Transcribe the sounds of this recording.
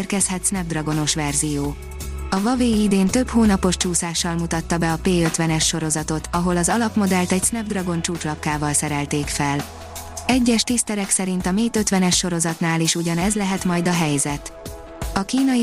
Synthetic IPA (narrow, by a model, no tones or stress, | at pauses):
rkɛshɛt̪snɛb̚d̪rɒɡo̞no̞ʃʋɛrzijoː | ɒvɒveːid̪eːnt̪ø̞phoːnɒpo̞ʃt͡ʃuːsaːʃːɒlmut̪ɒt̪ːɒbɛɒpeːøt̪ʋɛnɛʃːo̞ɾo̞zɒt̪o̞t̪ʰɒɦo̞lɒzɒlɒpmo̞d̪ɛlt̪ɛcsnɛb̚d̪rɒɡo̞nt͡ʃuːt̪lɒkːaːvɒlsɛɾɛlt̪eːkfɛl | ɛɟːɛʃt̪ist̪ɛɾɛksɛɾint̪ɒmeːt̪ø̞t̪ʋɛnɛʃːo̞ɾo̞zɒt̪naːliʃuɟɒnɛzlɛɦɛt̪mɒjd̪ɒɦɛjzɛt̪ | ɒkiːnɒ